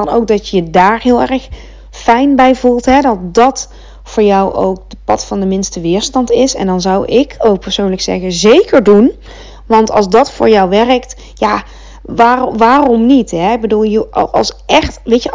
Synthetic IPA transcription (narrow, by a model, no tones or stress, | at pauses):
ɑnowk̚dɑt͡ʃəjədaːɹɦɪːlˠɛrəx | fɛjnbɛjvulˠtɦɛdɑt̚dɑt | fʊːɹjʌwʔo̰wk̚dəpɑ̰tfɑndəmɪnstəʋɪːɹstɑntɪsɛ̰ndɑnzʌwɪkʰowk̚pəɹsownləksɛ̰ɣəzejkəɹdun | ʋɑntɑ̰lˠzdɑtfʊ̰ːɹjɔwʋɛrəkt | jaː | ʋaːʋaːrɔmnitɦɛɪɡ̚bəduːlˠjəɑ̰sʔɛxtʋejt͡ʃə